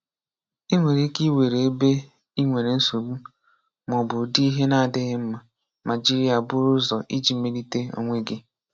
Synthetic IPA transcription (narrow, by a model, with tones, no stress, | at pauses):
i˦ŋʷe˨ɾi˦ki˦we˨ɾe˨e˦be˦ | i˦ŋʷe˨ɾe˨n̩˦so˨bu˦ | mɔ˨bʊ˨di˦ɦe˦na˦a˨dɪ˦ɣɪ˦m̩˦ma˨ | mʔa˨d͡ʒi˦ɾi˦a˨bʊ˦ɾʊ˦zɔ˨ʔi˦d͡ʒi˨me˦ɾi˦te˦o̰˨ŋʷe˦ɡɪ˦